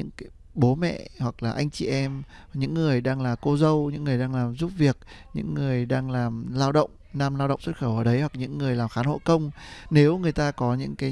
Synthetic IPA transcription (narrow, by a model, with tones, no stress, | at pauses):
ɨ̰˧˥ŋkː | ɓo˨˦mɛ̰˧˨hwa˨˩k̚laː˨˩ʔa˧jŋ̟t͡ɕi˨˩ʔɛ˧m | ɲɨ̰˧˥ŋːɨ˨˩əjɗaː˧ŋlaː˨˩ko˧zə˧wɲɨ̰˧˥ŋːɨ˨˩əjɗaː˧ŋlaː˨˩mzu˦˥p̚vi˨˩ək̚ɲɨ̰˧˥ŋːɨ˨˩əjɗaː˧ŋlaː˨˩mlaː˧wɗə̰˧˨wŋ͡mnaː˧mlaː˧wɗə̰˧˨ŋ͡mswt̚xə˧˩wʔəː˧˩ɗə˨˦jhwa˨˩k̚ɲɨ̰˧˥ŋːɨ˨˩əjlaː˨˩mxaː˨˦nho̰˧˨jkə˧wŋ͡mne˨˦wŋɨ˨˩əjt̪aː˧kɔ˨˦ɲɨ̰˧˥ŋkaː˨˦